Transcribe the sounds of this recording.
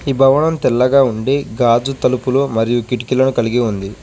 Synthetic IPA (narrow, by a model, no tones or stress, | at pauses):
iːbʱɐʋɐɳɐmt̪ɛlːɐɡaːuɳɖeːɡaːd͡ʒut̪ɐlupuloːmɐɾijukiʈikilɐnukɐliɡiund̪i